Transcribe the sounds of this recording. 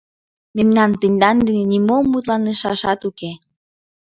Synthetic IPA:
memnɑnt̪ənʲd̪ɑnd̪ə̆nenimomːut̪lɑnəʃɑʃɑt̪uke

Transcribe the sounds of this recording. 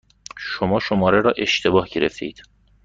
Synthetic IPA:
ʃomɒːʃomɒːɾeɾɒːʔe̞ʃt̪ʰe̞bɒːhɟe̞ɾḛft̪ʰeiːd̪̥

